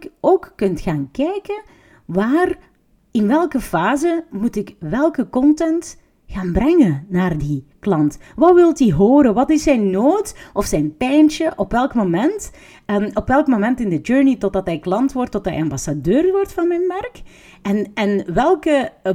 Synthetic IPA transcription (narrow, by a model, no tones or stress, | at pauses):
koːkkʏntxaːnkɛjkən | ʋaːr | ɪnʋɛlˠkəfaːzəmutɪkʋɛlˠkəkɔntɛnt | xaːnbrɛŋənaːrdiklɑntʋɑtʋɪlˠtiɦoːɾənʋɑtɪsɛjnːoːtɔfsɛjnpɛjnt͡ʃəʔɔpʋɛlˠkmomɛnt | ɔpʋɛlˠkmomɛntɪndəd͡ʒøɹnitɔdɑtɦɛjklɑntʋɔrtːɔtɛ̰jɑmbɑsadøːrʋɔrtfɑnmɛnʋɛrk | ɛnɛnʋɛlˠkə